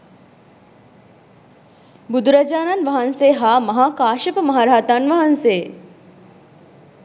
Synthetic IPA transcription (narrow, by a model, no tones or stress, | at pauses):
bud̪uɾɐd͡ʒaːnanʋɐɦɐnseːɦaːmɐɦaːkaːʃɐpəmɐɦaːɾaɦɐt̪anʋɐɦanseː